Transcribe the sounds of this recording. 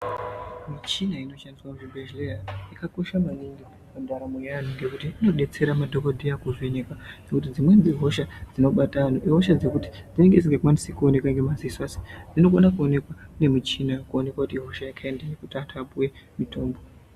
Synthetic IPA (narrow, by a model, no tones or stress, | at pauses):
mit͡ʃinaino̞ʃandiswamuʐibʱeʒleraikako̞ʃamaniŋɡi | pandaɾamuanuŋɡe̞kutiːno̞ɗe̞t͡se̞ɾamadʱo̞kodʱijakuʐeɲekanekut̬id͡zimwe̞nd͡ziɦo̞ʃad͡zino̞ɓatanuʔiɦo̞ʃad͡ze̞kuti̥d͡zine̞ŋɡe̞d͡ziŋɡekuwanisekuone̞kwaŋɡe̞maziiswase̥d͡zino̞konakuone̞kwane̞mit͡ʃinakuone̞kwakutiɦo̞ʃajakʰaendajekutatʰapuwe̞mitʰo̞ːmbo